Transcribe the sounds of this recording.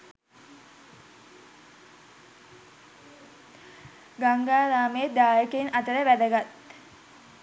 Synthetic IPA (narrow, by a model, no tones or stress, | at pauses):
ɡaŋɡaːɾaːmeed̪aːjəkeinʔat̪əɾəʋæd̪əɡat̪